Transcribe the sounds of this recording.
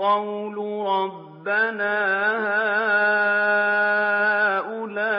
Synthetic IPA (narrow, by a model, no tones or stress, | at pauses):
ɑwluːɾˤɑbːanaːhaː | ʔʊlaː